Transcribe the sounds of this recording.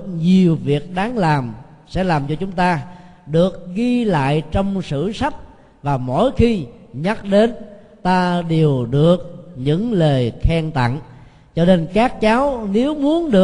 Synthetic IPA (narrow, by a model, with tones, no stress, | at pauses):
ɲi˨˩əwvi˨˩ək̚ɗaː˨˦ŋlaː˨˩m | sɛ̰˧˥laː˨˩mt͡ɕɔ˧t͡ɕʊ˨˦ŋ͡mt̪aː˧ | ɗɨ˨˩ək̚ɣi˧la̰ː˧˨jt͡ɕɔ˧wŋ͡msɨ̰˧˩sa˦˥t̚ | vaː˨˩mo̰˧˥˨jxi˧ɲa˦˥t̚ɗe˨˦n | t̪aː˧ɗe˨˩əwɗɨ˨˩ək̚ɲɨ̰˧˥ŋləː˨˩jxɛ˧ŋt̪a̰˧˨n | t͡ɕɔ˧ne˧nkaː˦˥k̚t͡ɕaː˨˦wne˨˦wmu˨˦ənɗɨ˨˩ə